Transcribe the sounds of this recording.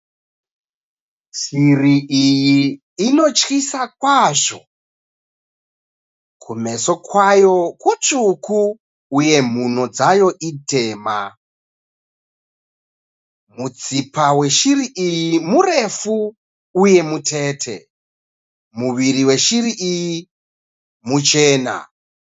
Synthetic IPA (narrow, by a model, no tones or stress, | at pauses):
siriijiː | no̞t͡ʃkisakwaʐo̞ | kʰume̞so̞kwajo̞kut͡ʂuku | uje̞m̤uno̞d͡zajo̞ʔite̞ːma | mud͡zipawe̞ʃiriʔijimure̞fu | uje̞mutʰe̞ːtʰe̞̰ | muʋiriwe̞ʃiɾiʔiji | mut͡ʃe̞ːna̰